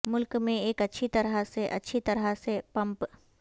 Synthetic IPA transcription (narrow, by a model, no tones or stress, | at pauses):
mʊlkmẽeːkɐtːʃʰit̪ɐɾaseʔɐ̰tːʃʰit̪ɐɾasepɐ̃mp